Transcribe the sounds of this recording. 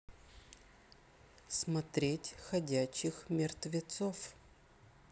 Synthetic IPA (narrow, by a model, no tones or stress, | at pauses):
smɐt̪ɾʲetʲxɐdʲæɕːɪxmʲɪrt̪vʲɪt̪sof